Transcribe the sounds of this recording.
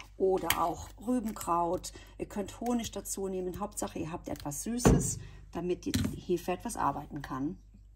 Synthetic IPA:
ʔoːdɐʔa̰ʊxʁyːbm̩kʁ̥aʊtʔiːɐkʰœnthoːnɪʃd̥at͡suːneːmənɦaʊp̚tz̥aχəiːɐɦaːp̚tʔɛ̰tv̥asz̥yːsəs | d̥amɪtihɪfəɛtv̥asʔa̰ɐbaɪtn̩kʰan

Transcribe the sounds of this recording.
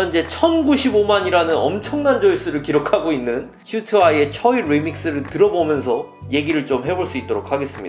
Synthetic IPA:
nd͡ʑe̞t͡ɕʰʌnɡuɕʰibomaɲiɾanɯnʌ̰mt͡ɕʰʌŋnand͡ʑʌis͈ɯɾɯɭkiɾokʰaɡoinːɯn | ɕʰutʰuaie̞t͡ɕʰʌiɾimik̚s͈ɯɾɯɭtɯɾʌbomjʌnsʰʌ | je̞ɡiɾɯɭt͡ɕomɦe̞boɭs͈uit̚t͈oɾok̚ʰaɡe̞s͈ɯmɲid

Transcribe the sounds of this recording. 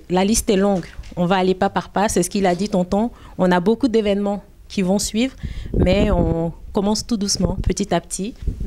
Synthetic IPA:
lalist̪ɛlɔ̃ɡɔ̃vaːlepapaʁpasɛsə̥kilad̪it̪ɑ̃t̪ɑ̃ | ɔ̃nabokud̪evɛnmɑ̃ | kʲʰivɔ̃sɥiːvʁmɛɔ̃kɔmɑ̃st̪ud̪usmɑ̃pʰət̪it̪apt̪ʰi

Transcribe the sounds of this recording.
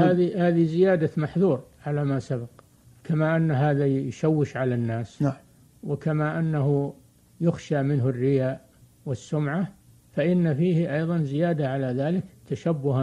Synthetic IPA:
haːðihaːðizɪjaːd̪amaħðuːɾʕalamasabaq | kʰamaʔanːaɦaːðajʃawːɪʃʕalanːaːs | wɪkamaʔanːaɦu | jʊxʃamɪnɦʊrːɪjaːʔ | wɪsːʊmʕa | faʔɪnːafiːhʔɑjðˤɑnzɪjaːd̪aʕalaðaːlɪkt̪aʃabːʊha

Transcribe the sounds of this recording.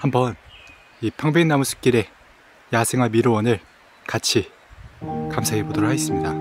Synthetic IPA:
hambʌn | ipʰaŋbenːamusʰɯ̥k͈iɾe̞ | jasʰeŋɦwamiɾowʌnɯɭ | kat͡ɕʰi | kamsʰaɦebodɯɾohaes͈ɯmɲida

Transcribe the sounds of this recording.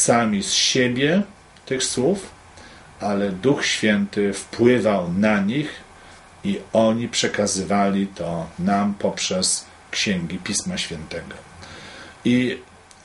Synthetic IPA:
samʲisɕebʲjɛ | t̪ɘxswuf | ʔalɛd̪uxɕfʲjɛnt̪ɪfpwɘvawnaɲix | iɔɲipʂɛkazɘvalʲit̪ʰɔnampɔpʂɛs | kɕɛŋɡʲipʲismaɕfʲjɛnt̪ɛɡɔ | i

